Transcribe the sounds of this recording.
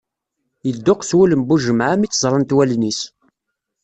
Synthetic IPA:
jəd̪ːʊqswuləmbuʒəmʕæmit͡sːəzˤɾˤɑnt̪wælnis

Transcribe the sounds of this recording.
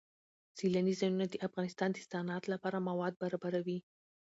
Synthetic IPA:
z̥ilanizɑjunad̪əʔafɣɑnɪst̪ɑnd̪əst̪ɑnɑt̪lapɑɾamawɑd̪̚baɾɑbaɾawi

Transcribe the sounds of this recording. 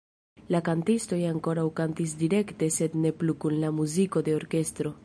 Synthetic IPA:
lakantisto̞jaŋko̞ɾawkantis̬diɾe̞kte̞se̞dne̞plukunlamuziko̞de̞o̞ɾke̞stɾo̞

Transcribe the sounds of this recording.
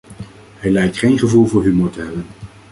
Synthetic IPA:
ɦɛjlɛjk̚tχejnχəvulˠvʊːɹɦymoɹtəɦɛbən

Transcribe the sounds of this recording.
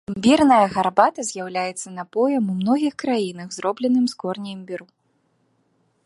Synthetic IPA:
mʲbʲirnɐjɐɣarbat̪ɐzʲjawlʲajɛt̪sːɐnapɔjɐmumnɔɣʲixkɾajinɐɣzɾɔblʲɛnɨmskɔrnʲijmʲbʲiɾu

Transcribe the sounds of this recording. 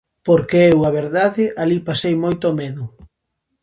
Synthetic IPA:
poɾkeewaβeɾðaðɪʔalipasejmojt̪omeðʊ

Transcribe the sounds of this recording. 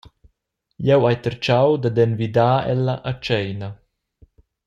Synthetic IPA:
jɛwajt̪əɾt͡ʃawd̪ad̪ɛnvid̪aːɛlːaʔat͡ʃɛjna

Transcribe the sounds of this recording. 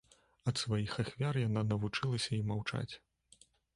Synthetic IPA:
ɐt̪svajixaxvʲarjananɐvut͡ʂɨlˠɐsʲɐimawt͡ʂa̰t͡sʲ

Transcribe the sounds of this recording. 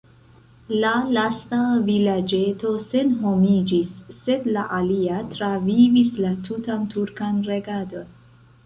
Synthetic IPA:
lalastavilad͡ʒe̞to̞se̞nɦo̞mid͡ʒisːe̞dlaʔaliatɾavivislatʰutantuɾkanɾe̞ɡado̞n

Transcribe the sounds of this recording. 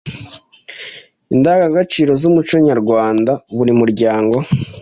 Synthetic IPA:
indaɡaɡat͡ʃiːɾo̞zumut͡ʃoɲaɾɡwaːndaβuɾimuɾɟaːŋɡo̞

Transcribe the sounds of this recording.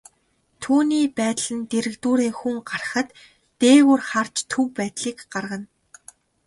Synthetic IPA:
t̪ʰuːniːpæːt̪ɮɘ̆nt̪eɾɘ̆kt̪uːɾeːxuŋɢarχə̆t̪ː | eːwurχar̥t͡ɕt̪ʰɵwpæːt̪ɮiːkɢarʁə̆n

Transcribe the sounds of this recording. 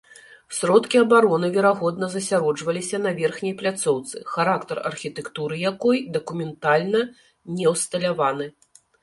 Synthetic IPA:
sʲɾɔt̪kʲiɐbaɾɔnɨvʲɛɾaɣɔd̪nɐzɐsʲaɾɔd͡ʐvɐlʲisʲɐnɐvʲɛrxnʲɐjplʲat̪sɔwt̪sɨxaɾakt̪ɐrɐ̰rxʲit̪ɛkt̪uɾɨjakɔjd̪ɐkumʲɛnt̪alʲnɐ | nʲɛwst̪ɐlʲavanɨ

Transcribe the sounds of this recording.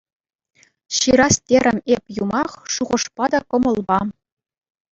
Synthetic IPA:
ɕiɾɑstʲeɾʲɘ̆mʲepʲjumɑχʂuʁɤ̆ʂpɑd̪ɑkɤ̆mɤ̆lˠbɑ

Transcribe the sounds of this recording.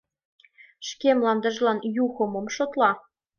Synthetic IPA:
ʃkemlɑnd̪ə̆ʒlɑnjuɣɤ̆mŏmʃot̪lɑ

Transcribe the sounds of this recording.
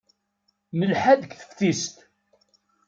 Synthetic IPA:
nəlħaðəkθə̥fθist̪

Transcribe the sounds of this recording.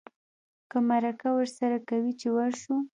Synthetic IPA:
kəmaɾakawəɾsaɾakawit͡ʃewaɾʃu

